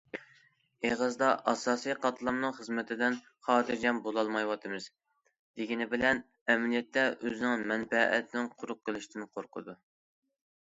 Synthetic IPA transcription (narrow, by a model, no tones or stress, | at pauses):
eʁəzd̪ɑʔɑsɑːsijqʰɑt̪ʰlˠɑmnɨŋχəzmɪt̪ʰɪd̪ɪn | χɑːd̪ɨɾd͡ʒɛnbolˠɑlˠmɑjwɑt̪ʰɨmɨz̥ | d̪̥eɡʲinɪbɪlɛn | ɛmlijɛt̪ːɛʔøzɪnɪŋmɛnpɛʔːt̪ʰɪnɪŋqʰʊɾʊq̚qːəlˠɪʃt̪ʰɪnɪqʰoɾqʰə̰d̪u